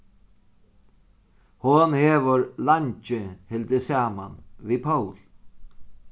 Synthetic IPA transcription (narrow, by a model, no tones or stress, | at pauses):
hʊnheːʋəɾlaɲt͡ʃɪhɪld̪ɪsaːmanʋiːpʰawl